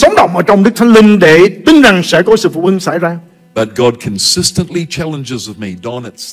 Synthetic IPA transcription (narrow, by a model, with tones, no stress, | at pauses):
sə˨˦wŋ͡mɗə̰˧˨wŋ͡mʔəː˧˩t͡ɕɔ˧wŋ͡mɗɨ˦˥k̪̚ʰŋ̟lï˧ŋɗe˧˩t̪ï˨˦ŋza˨˩ŋsɛ̰˧˥kɔ˨˦sɨ̰˧˨fṵ˧˨ʔhi˧ŋsa̰˧˩jzaː˧ | b̥ʌt̚ɡ̥ɑd̚kʰɨ̃n̩sɪstə̃nʔlit͡ʃʰælˠə̃nd͡ʒɪzʌvmidɔnɨts